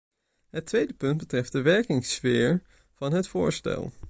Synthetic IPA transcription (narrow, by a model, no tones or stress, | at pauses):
ɦətʋejdəpɵnd̚bətrɛft̚dəʋɛɹkɪŋsfɪːɹ | v̥ɑnɦətfʊ̰ːɹstɛ̰lˠ